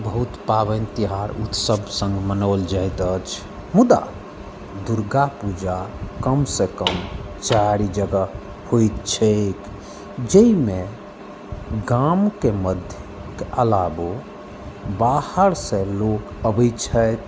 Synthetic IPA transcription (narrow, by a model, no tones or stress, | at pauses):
bəɦut̪pabənt̪iɦaɾṵt̪səbsə̃ŋɡmənəʊld͡ʒajt̪ət͡ʃʰ | mud̪a̰ | d̪uɾɡapud͡ʒakəmsekəm | t͡ʃaɾid͡ʒəɡə | hojt̪t͡ʃʰək | d͡ʒəime | ɡamkeməd̪ʱjəkeʔəlabo | bahəɾsẽlok | əbət͡ʃʰət̪